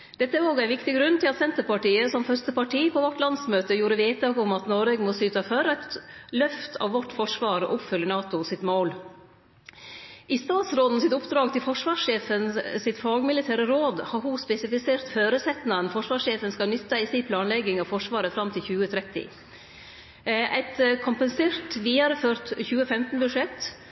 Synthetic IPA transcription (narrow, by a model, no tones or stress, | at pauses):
d̪̥ɛt̪ːəæɾoːɡæɪnʋɪkt̪ɪɡɾʉnt̪ʰɪlɑt̪sɛnt̪əɾpɑʈiːəsɔmfœɾst̪əpɑʈiːpʰɔʋɔʈːlɑnsmøːt̪əjuːɾəʋeːt̪̚ɑːɡɔmɑt̪nɔɾeːɡmɔsyːt̪ɑføːɾɑɪt̪lœft̪ʰɑ̰ʋʋɔʈːfɔʂʋɑːɾɔ̰ʔʊpfʉlːənɑːt̪ʊsɪt̪moːl | ʔɪst̪ɑːt̪sɾoːd̪n̩sɪt̪ʊpd̪ɾɑːɡ̚t̪ʰɪlfɔʂʋɑːʂʂeːfənsɪt̪fɑːɡmɪlɪt̪ʰæːɾəɾoːd̪hɑɾɦʊspɛsɪfɪseːɾt̪føːɾəsɛt̪nɑnfɔʂʋɑːʂeːfənskɑnʏt̪ːɑɪsiːpʰlɑːnlɛɡɪŋɑʋfɔʂʋɑːɾəfɾɑmt̪ʰɪlçʉːət̪ʰɾɛt̪ːɪ̰ | ʔæɪt̪kʰʊmpənseːɾt̪ʋiːɑɾəføːɾt̪çʉːəfɛmt̪n̩bʉʂɛt̪ː